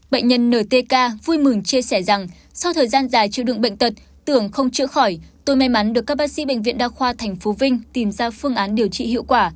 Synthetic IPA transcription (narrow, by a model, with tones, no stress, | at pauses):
ɓə̰˧˨jŋ̟ɲə˧nːəː˧˩t̪e˧kaː˧vu˧jmɨ˨˩ŋt͡ɕi˧əsɛ˧˩za˨˩ŋ | sa˧wt̪ʰəː˨˩jzaː˧nzaː˨˩jt͡ɕḭ˧˨wɗɨ̰˧˨ŋɓə̰˧˨jŋ̟t̪ə˨˩t̚ | t̪ɨ˧˩əŋxə˧wŋ͡mt͡ɕɨ̰˧˥əxɔ˧˩jt̪o˧jma˧jma˨˦nɗɨ˨˩əkːaː˦˥k̚ɓaː˦˥k̚sḭ˧˥ɓə̰˧˨ŋ̟vḭ˧˨ənɗaː˧xwaː˧t̪ʰɛ˨˩jŋ̟fo˨˦vï˧ŋ̟t̪i˨˩mzaː˧fɨ˧əŋʔaː˨˦nɗi˨˩əwt͡ɕḭ˧˨hḭ˧˨əwkwaː˧˩